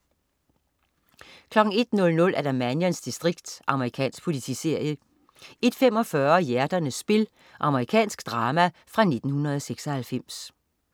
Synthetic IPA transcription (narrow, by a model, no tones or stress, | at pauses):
kʰlɒ̽ɡ̥ŋ̩e̝d̥nɔ̽lnɔ̽lʔæɐd̥æmænjænsd̥isd̥ʁiɡ̥̚d̥ʔɑ̈məʁikʰɛ̰ːnsɡ̥̚pʰo̝lit͡sʰḭːse̝ɐ̰jə | e̝d̥fem̰ɒ̽fɶɐjæɐd̥ɐnəsb̥e̝l | ʔɑ̈məʁikʰɛ̰ːnsɡ̥d̥ʁɑ̈ːmæ | fʁɑ̈ne̝d̥n̩hunɐð̞ˠɒseɡ̥sɒhælfem̰s